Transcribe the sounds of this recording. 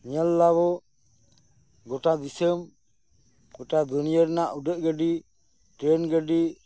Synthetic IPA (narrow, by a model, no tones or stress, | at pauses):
ɲəlːaβɔ | ɡɔʈad̪isəm | ɡɔʈad̪unijəɾnaʔuɖəʔ̚ɡəɖi | ʈɾɛnɡəɖi